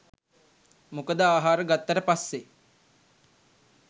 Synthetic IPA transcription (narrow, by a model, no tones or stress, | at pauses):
mukəd̪əaːɦaːɾəɡat̪ːəɾəpasːe